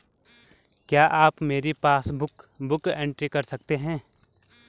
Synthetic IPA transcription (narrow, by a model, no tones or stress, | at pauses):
kjaːʔaːpmeːɾepaːsbʊkbʊkẽːɳʈɾikɐɾsɐk̚t̪eɦɛ̃ː